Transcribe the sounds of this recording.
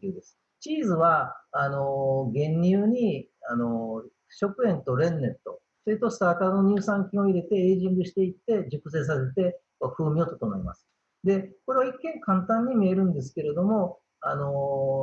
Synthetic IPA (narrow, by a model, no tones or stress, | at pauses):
iːd̪e̞sɨ̥ | t͡ɕiːzɨβaːno̞ɡẽ̞ɲːʲɯːɲ̟i | ano̞ | ɕo̞kɯ̟ẽ̞nt̪o̞ɾẽ̞nːe̞t̪ːo̞ | soɯt̪ːosɨ̥t̪aːk̪anoɲ̟ɨːsãŋkʲĩo̞iɾe̞t̪e̞eːʑĩŋɡɯ̟ɕi̥t̪e̞it̪ːe̞d͡ʑɨkɯ̟seːs̬ase̞t̪e̞koaɸɯːmʲio̞t̪ot̪omaima̰sɨ̥ | d̪e̞ko̞ɾe̞βaikːẽ̞ŋkãnt̪ãɲ̟ːimeːɾɯ̟̃nd̪e̞s̬ɨ̥ke̞ɾe̞d̪o̞mo̞ | ano̞